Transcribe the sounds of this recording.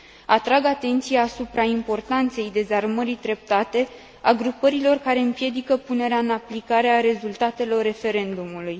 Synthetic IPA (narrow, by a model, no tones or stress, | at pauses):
at̪ɾaɡat̪e̞nt̪sijaːsupɾaimpo̞rt̪ant̪se̞jd̪e̞zarməɾid̪ɾe̞p̚t̪at̪e̞ | aɡɾupəɾilo̞rkaɾe̞ɨmpje̞d̪ikəpune̞ɾeaɨnaplikaɾeaɾe̞zult̪at̪e̞lo̞rːe̞fe̞ɾe̞nd̪umuluj